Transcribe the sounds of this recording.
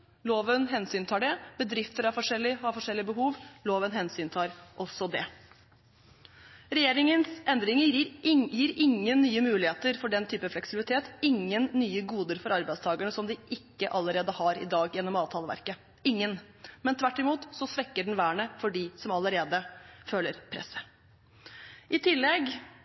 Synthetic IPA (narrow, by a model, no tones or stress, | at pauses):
loːʋənɦɛnsyːnt̪ʰɑːɖɛb̥əd̪ɾɪft̪əɾæɾfɔʂɛlːɪhɑfɔʂɛlːɪəbəɦuːʋloːʋənɦɛnsyːnt̪ʰɑːɾʔɔsɔd̪ɛ | ɾɛjeːɾɪŋənsɛnd̪ɾɪŋəɾjiːɾɪŋːənnyːəmʉːlɪheːt̪əɾfɔɖɛnt̪ʰyːpəflɛksɪbɪlɪt̪ʰeːt̪ɪŋːənːyːəɡuːd̪əɾfɔɾɑɾbæɪd̪st̪ʰɑːɡəɳəsɔmd̪ɪʔɪkːəʔɑlːəɾeːd̪əhɑɾɪ̰d̪ɑːɡjɛnːɔmɑːʋt̪ʰɑːləʋæ̰ɾkə | ɪŋːən | mɛnt̪ʰʋæʈːɪmuːt̪sɔsʋɛkːəɖɳn̩ʋæːɳəfɔɖɪsɔmɑləɾeːd̪əføːləɾpʰɾɛ̰sːə̥ | ʔɪt̪ʰɪlːɛɡ